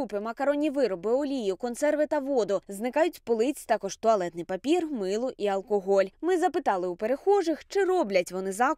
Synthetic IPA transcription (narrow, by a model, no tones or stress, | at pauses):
upɪmɐkɐɾɔnʲːiʋɪɾɔbɪɔlʲijʊkɔntsɛrʋɪt̪ɐʋɔd̪ʊznɪkɑjʊtʲpɔlˠɪt͡sʲt̪ɑkɔʒt̪ɔɐlˠɛt̪nɪjpɐpʲirmɪlˠʊʔiɐlˠkɔɦɔlʲmɪzɐpɪt̪ɑlˠɪupeɾexɔʒɪxt͡ʃɪrɔblʲɐtʲʋɔnɪzɑ